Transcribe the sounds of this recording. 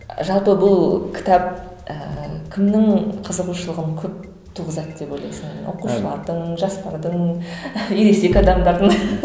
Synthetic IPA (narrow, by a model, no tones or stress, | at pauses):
ʒɑlˠpəbʊlˠkʲʰɪ̥t̪ɑp̚ə̰kʲʰɪmnɪŋqʰəzəʁuʃəlˠəʁəɴkʲʰɵp̚ | t̪ʰuʁəzɑt̪d̪e̞pojlˠɑjsɪnwo̰quʃəlˠɑɾd̪əɴʒɑspɑɾd̪əɴ | jeɾesekʲɑd̪ɑmd̪ɑɾd̪əɴ